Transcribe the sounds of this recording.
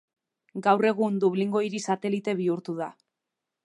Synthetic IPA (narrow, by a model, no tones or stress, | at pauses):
ɡawre̞ɣ̞und̪uβliŋɡo̞iɾisat̪e̞lit̪e̞β̞iuɾt̪uð̞a